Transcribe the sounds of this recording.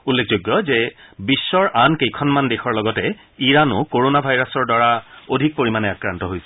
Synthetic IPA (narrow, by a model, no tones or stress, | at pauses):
ulːekʰzojɡːɔzɛbisːɔɹʔankejkʰɔnmandexʰɔɹlɔɡɔtɛ | iɹanʊkoɹonabʱajɹasɔɹdwaɹaodʱik̚poɹimanɛakɹantɔɦojsɛ